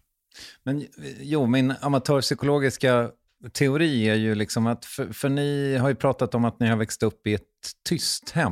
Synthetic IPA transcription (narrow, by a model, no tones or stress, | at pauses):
mɛnjuːmɪnamat̪ʰœːɾʂʏkʊloːɡɪska | t̪ʰɛʊɾiːæɾjɵlɪksɔmat̪fœfœɳɪɦaɾjɵpʰɾɑːt̪at̪ɔmat̪nɪhaɾvɛkst̪ɵpːɪɛt̪ʰːʏst̪hɛm